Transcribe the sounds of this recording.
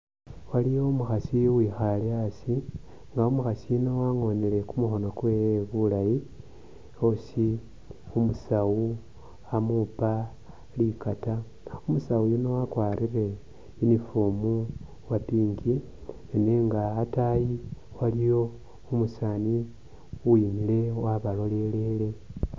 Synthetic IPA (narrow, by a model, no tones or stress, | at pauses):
walijo̞muxasijowiːxaleasi | ŋɡaumuxasijunowaŋo̞nele̞kumuxo̞no̞kwejeβulaji | osi | umusawu | amupa | likata | umusawujinowakwaːɾʔire̞ | inifomu | wapiːŋɡi | eneŋɡaːtaji | walijo̞ | umusani | wimile̞waβalo̞le̞le̞le̞